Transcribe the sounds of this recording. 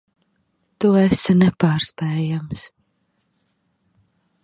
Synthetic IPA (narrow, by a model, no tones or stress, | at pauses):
t̪uɛsanɛpaːɾsp̪ɛːjams